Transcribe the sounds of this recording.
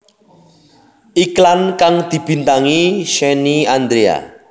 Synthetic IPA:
ʔiklankaŋd̪̥i̤b̥i̤nt̪aŋiʃɛniand̪ɾea̰

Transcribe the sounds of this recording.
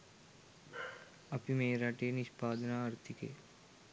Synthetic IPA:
ɐpimeːɾaʈeːniʃpaːd̪naɐɾt̪ʰikḛː

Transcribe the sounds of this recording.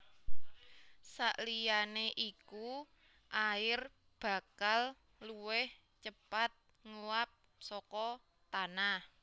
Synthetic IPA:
saʔlijaneʔiku | ʔaɪr | b̥ä̤kal | luwɪh | t͡ʃəpat̪̚ | ŋuap̚ | sɔkɔ | t̪anah

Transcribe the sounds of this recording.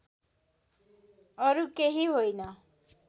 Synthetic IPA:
ʌɾukeɦiɦojnʌ

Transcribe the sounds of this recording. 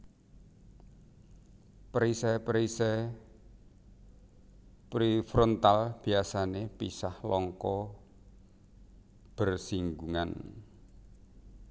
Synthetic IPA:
pɾisɛpɾisɛ | pɾifɾɔnt̪alb̥i̤asanepisahlɔŋkɔ | b̥ərsiŋɡuŋan

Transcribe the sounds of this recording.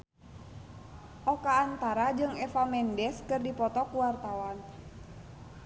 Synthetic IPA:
ʔɔkaːnt̪aɾad͡ʒɨŋɛfamɛndɛskɨrdipɔt̪ɔkuwart̪awan

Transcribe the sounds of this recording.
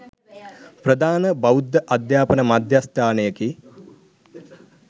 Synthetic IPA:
prəd̪aːnəbɐud̪ːəʔad̪jaːpənəmad̪jast̪ʰaːnəjəki

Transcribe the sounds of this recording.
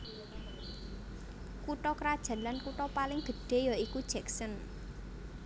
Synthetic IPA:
kuʈɔkɾad̥ʒ̥ä̤lankuʈɔpalɪŋd̪̥ə̤ɖ̥e̤jɔikud̥ʒ̥ɛ̤ksɔn

